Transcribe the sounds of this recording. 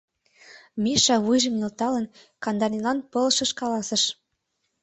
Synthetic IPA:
miʃɑβujʒə̆mnʲelt̪ɑlə̆n | kɑnd̪ɑnʲilɑnpɤ̆lʃɤ̆ʃkɑlɑsə̆ʃ

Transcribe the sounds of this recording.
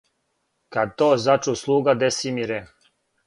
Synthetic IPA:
kad̪̚t̪oːzat͡ʃuːslˠuːɡad̪esimiɾe

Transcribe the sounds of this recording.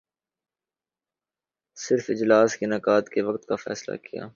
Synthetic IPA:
sɪɾfɪd͡ʒlaːskinɐkaːt̪keʋɐkt̪kafɛ̰ːsla̰kija̰ː

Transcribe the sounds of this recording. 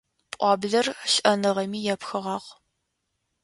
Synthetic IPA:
pʼʷɑːbɮɐrɕʔɐnɨʁɐmiːjɛpxɨʁɑːq

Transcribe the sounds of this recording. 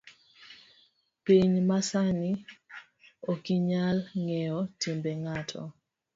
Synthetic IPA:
piɲmasani | okiɲalŋɛɔtimbeŋatʰɔ̰

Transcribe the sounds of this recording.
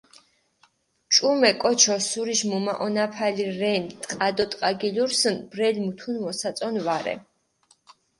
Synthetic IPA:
t͡ʃʼumɛkʼɔt͡ʃʰɔsuɾiʃmumaʔɔnapʰaliɾɛnt̪ʼqʼad̪ɔt̪ʼqʼaɡiluɾsənbɾɛlmut̪ʰunmɔsat̪sʼɔnvaɾɛ̰

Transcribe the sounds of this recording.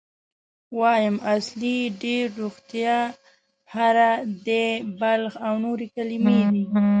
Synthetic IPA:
wɑjəmasliɖeɾːoɣt̪ja | haɾad̪əbalxawnoɾekalimed̪i

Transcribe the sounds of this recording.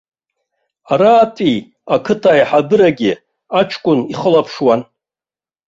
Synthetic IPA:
aɾaːtʼi | akʰɨtʰajħabɨɾaɡʲɪ | aʈ͡ʂʰkʷʼʊniχəlapʰʂwan

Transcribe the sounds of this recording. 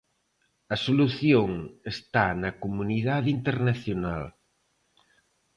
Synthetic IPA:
ɐsoluθjoŋest̪anɐkomuniðaðint̪eɾnaθjonal

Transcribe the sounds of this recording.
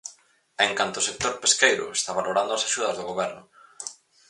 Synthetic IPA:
eŋkant̪ʊːsek̚t̪oɾpeskejɾʊ̰est̪aβaloɾand̪ʊasaʃuð̞ɐzðoɣoβɛɾnʊ

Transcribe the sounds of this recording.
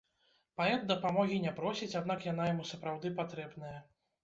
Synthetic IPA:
paɛt̪d̪ɐpamɔɣʲinʲɛpɾɔsʲit͡sʲad̪nakjanajamusɐpɾawd̪ɨpat̪ɾɛbnɐjɐ

